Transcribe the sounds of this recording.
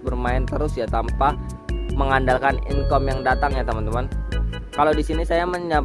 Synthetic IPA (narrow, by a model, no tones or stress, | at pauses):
bərmaɪnt̪əɾʊsjat̪ampa | məŋandalkanḭŋkɔmjaŋdat̪aŋɲat̪əmant̪əman | kalawdisinisajaməɲa